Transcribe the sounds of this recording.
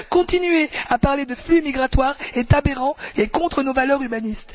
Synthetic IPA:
kɔ̃t̪inɥeapaʁled̪əflymiɡʁat̪waːʁet̪abeʁɑ̃ekɔ̃t̪χənovalœʁybanist̪

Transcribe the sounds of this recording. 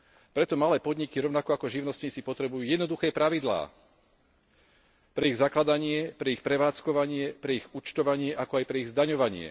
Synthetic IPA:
pɾɛt̪ɔmalɛːpɔd̪ɲikiɾɔʋnakɔakɔʒiʊnɔst̪ɲiːt͡sipɔt̪ɾɛbujuːjɛd̪nɔd̪uxɛːpɾaʋid̪la̰ː | pɾɛiɣzaklad̪aɲɪɛpɾɛixpɾɛʋaːt͡skɔʋaɲɪɛpɾɛiɣut͡ʃt̪ɔʋaɲɪɛʔakɔajpɾɛiɣzd̪aɲɔʋaɲɪɛ̰

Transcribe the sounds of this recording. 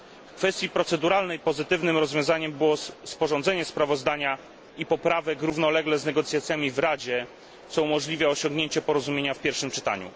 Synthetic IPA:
kfɛst̪ʲjipɾɔt̪sɛd̪uɾalnɛjpɔzɘt̪ɘvnɘmɾɔzvʲjɔ̃w̃zaɲɛmbɘwɔspɔʐɔ̃nd̪zɛɲɛspɾavɔzd̪aɲa | ipɔpɾavɛkɾuvnɔlɛɡlɛznɛɡɔt̪sʲjat̪sʲjamʲivɾad͡ʑɛ | t̪sɔumɔʐlʲivʲjaɔɕɔ̃ŋɡɲeɲt͡ɕɛpɔɾɔzumʲjeɲafpʲjɛɾfʂɘmt͡ʂɘ̥t̪a̰ɲṵ

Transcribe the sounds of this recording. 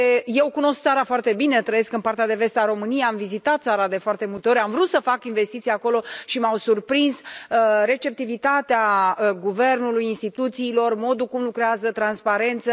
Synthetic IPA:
je̞wkuno̞sk̚t̪saɾafoart̪e̞bine̞t̪ɾəje̞skɨnpart̪ead̪e̞ve̞st̪eaɾo̞mɨnijejamvizit̪at̪̚t̪saɾad̪e̞foart̪e̞mult̪eo̞ɾʲamvɾut̪səfakinve̞st̪it̪sijako̞lo̞ʃimawsurpɾinsɾe̞t͡ʃe̞p̚t̪ivit̪at̪eaəɡuve̞rnulujinst̪it̪ut̪siːlo̞rmo̞d̪ukumlukɾeazət̪ɾanspaɾe̞nt̪sə

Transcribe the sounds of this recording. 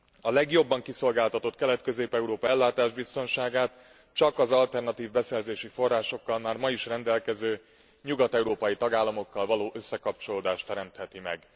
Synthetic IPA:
ɒlɛɡjo̞bːɒŋkiso̞lɡaːlt̪ɒt̪o̞t̪kɛlɛt̪køzeːpɛuɾoːpɒɛlːaːt̪aːʒbist̪o̞nʃaːɡaːt̪ | t͡ʃɒkɒzɒlt̪ɛrnɒt̪iːvbɛsɛrzeːʃifo̞rːaːʃo̞kːɒlmaːrmɒiʃrɛnd̪ɛlkɛzøː | ɲuɡɒt̪ɛuɾoːpɒjit̪ɒɡaːlːɒmo̞kːɒlvɒloːʔø̞sːɛkɒpt͡ʃo̞loːd̪aːʃt̪ɛɾɛmt̪hɛt̪imɛ̰ɡ

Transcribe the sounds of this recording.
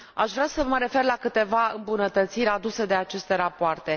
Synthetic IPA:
aʃvɾasəməɾe̞fe̞rlakɨt̪e̞vaɨ̰mbunət̪ət̪siɾʲad̪use̞d̪e̞at͡ʃe̞st̪e̞ɾapoart̪e̞

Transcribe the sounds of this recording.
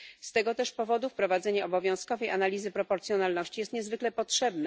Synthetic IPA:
st̪ɛɡɔt̪ɛʂpɔvɔd̪ufpɾɔvad̪zɛɲaɔbɔvʲjɔ̃w̃skɔvɛjʔanalʲizɘpɾɔpɔɾt̪sjɔnalnɔɕt͡ɕijɛst̪ɲɛzvɘklɛpɔtʂɛbnɛ

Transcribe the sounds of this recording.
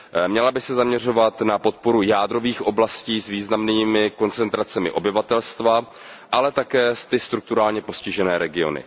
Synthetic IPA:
mɲɛlabɪsɛzamɲɛr̝o̞vat̪napo̞t̪̚po̞ɾujaːd̪ɾo̞viːxʔo̞blasciːsviːznamniːmɪko̞nt͡sɛnt̪ɾat͡sɛmɪ̰ʔo̞bɪvat̪ɛlst̪va | ʔalɛt̪akɛːst̪ɪst̪ɾuk̚t̪uɾaːlɲɛpo̞scɪʒɛnɛːɾɛɡɪo̞̰nɪ̰

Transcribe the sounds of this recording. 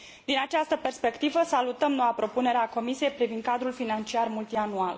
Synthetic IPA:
d̪inat͡ʃast̪əpe̞rspe̞kt̪ivəsalut̪əmno̞wapɾo̞pune̞ɾeako̞misije̞jpɾivind̪̚kad̪ɾulfinant͡ʃiarmult̪ianual

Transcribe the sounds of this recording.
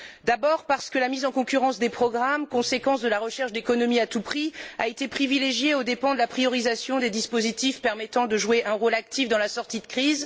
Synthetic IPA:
d̪abɔʁpaʁsə̥kəlamizɑ̃kɔ̃kʲyʁɑ̃sd̪epχɔɡʁamkɔ̃sekɑ̃sd̪əlaʁəʃɛʁʃd̪ekɔnɔmiat̪upχia̰et̪epχivileʒjeod̪epɑ̃d̪əlapχijɔʁizasjɔ̃d̪ed̪ispozit̪ifpɛʁmɛt̪ɑ̃d̪əʒueʔɛ̃ʁolak̚t̪ʰifd̪ɑ̃lasɔʁt̪id̪əkχiz

